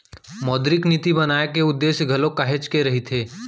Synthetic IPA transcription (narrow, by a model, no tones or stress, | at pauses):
mɔːd̪ɾɪknit̪ibɐnaːekeʊd̪ːeːsjɡʱɐlõkaɦet͡ʃkeɾɐɦit̪ʰeː